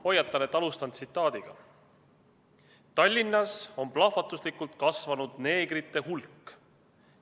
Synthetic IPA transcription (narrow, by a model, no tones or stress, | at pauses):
o̞jːɑt̪ːˑɑnet̪ɑlust̪ɑnt̪sit̪ːˑɑːd̪̥iɡ̥ɑ̰ | t̪ɑlʲːinːɑso̞mplɑfɑt̪ːˑuslikːult̪̚kɑsvɑnud̪̥ne̞ːɡ̥rit̪ːˑe̞ɦulkː